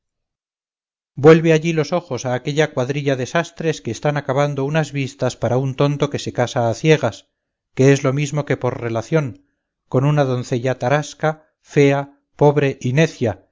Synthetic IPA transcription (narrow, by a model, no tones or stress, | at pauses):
bwe̞lβe̞aʎilo̞so̞χo̞saːke̞ʎakwaðɾiʎaðe̞sast̪ɾe̞ske̞ːst̪anakaβand̪o̞unazβist̪aspaɾaunt̪o̞nt̪o̞ke̞se̞kasaːθje̞ɣ̞as | ke̞ezlo̞mizmo̞ke̞po̞ɾre̞laθjo̞ŋ | ko̞nunaðo̞nθe̞ʎat̪aɾaska | fe̞a | po̞βɾe̞ʔine̞θja